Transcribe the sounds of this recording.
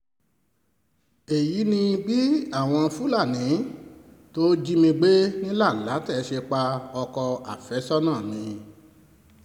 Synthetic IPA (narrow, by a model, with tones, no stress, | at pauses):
e˨ji˨˦nĩ˧bi˦a˦˨w̃ɔ̃˧fu˦la˦˨nĩ˨˦to˦d͡ʒi˦mĩ˧ɡ͡be˦nĩ˦la˦˨la˨˦tɛ˦˨˧ʃe˧k͡pa˧ɔ˧kɔ˧a˨fɛ˨˦sɔ˦nãː˦˨nĩ˧